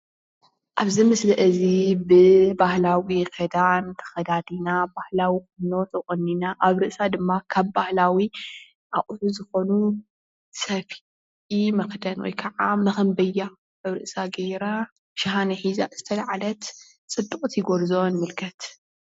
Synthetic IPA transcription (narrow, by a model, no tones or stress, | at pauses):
ʔaβzɨmɨslɐʔɨzibɨbahlawikʰed̪ant̪ʰɐ̥xɐd̪ad̪inabahlawixʼɨnot̪ʰɨkʼɨnːinaʔaβɾɨʔsad̪ɨmːakʰaβbahlawi | ʔaʔʼuzuzɨxo̞nu | sɐf | imɐxd̪ɐnwɔ̰jkʰɐʕamnɐxɨmbɐja | aβɾɨʔsaɡeɾa | ʃaɦanɐħiza̰zɨt̪ʰɐlaʕalɐt̪ | t͡sʼɨd̪ːɨkʼut̪ʰjɪɡoɾzonmɨlkʰɐt̪